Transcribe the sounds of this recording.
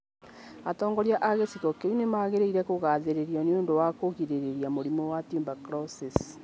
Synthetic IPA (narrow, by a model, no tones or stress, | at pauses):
atɔːŋɡɔɾiaʔaɣesikɔkeinemaɣeɾeiɾɛkoɣaːðeɾeɾiɔneondowakoɣiɾeɾeɾiamoɾimowatumbakɾɔsis